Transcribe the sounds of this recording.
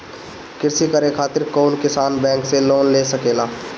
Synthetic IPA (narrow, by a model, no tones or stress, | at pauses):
kɪɾsikəɾekʰaːt̪ɪɾkoːnkɪsaːnbɛ̃ːŋkseloːnleːsɐkeːlaː